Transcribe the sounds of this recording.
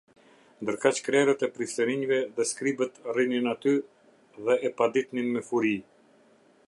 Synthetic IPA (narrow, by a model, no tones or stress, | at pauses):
nd̪əɾkat͡ʃkɾɛɾət̪ɛpɾist̪əɾiɲvɛðɛskɾibət̪rininat̪y | ðɛːpad̪it̪ninmɛfuɾi